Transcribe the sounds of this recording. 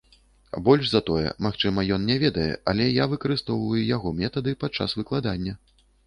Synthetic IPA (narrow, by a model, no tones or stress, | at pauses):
bɔlʲʂzɐt̪ɔjɛ̰maxt͡ʂɨmɐjɔnnʲɛvʲɛd̪ɐjɛ̰ɐlʲɛjavɨkɐɾɨst̪ɔwvɐjujaɣɔmʲɛt̪ɐd̪ɨpat̪̚t͡ʂːa̰svɨklˠad̪anʲːɐ